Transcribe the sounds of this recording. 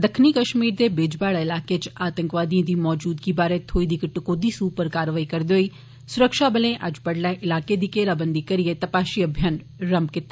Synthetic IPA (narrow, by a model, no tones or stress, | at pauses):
d̪əkʰniːkəʃmiːɾd̪eːbeːd͡ʒbaːɽaːɪlaːkeːt͡ʃaːt̪əŋkʋaːd̪ijãːd̪iːmɔːd͡ʒuːd̪ɡiːbaːɾeːt̪ʰoːiːd̪iːkəʈkoːd̪iːsuːpəɾkaːɾʋaːiːkəɾd̪eːɦoːiː | sʊɾəkʃaːbəlẽːʔəd͡ʒpəɽlɛːʔɪlaːkeːd̪iːkeːlaːbənd̪iːkəɾiːeːt̪əpaːʃiːəbʱjən | ɾəmbkɪt̪ːa